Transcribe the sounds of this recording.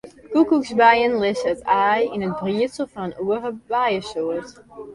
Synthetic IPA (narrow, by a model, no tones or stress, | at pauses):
kukuksbajənlɪsətaːjinət̚briətsəl̩ˠfɔnənuəχəbajəsuət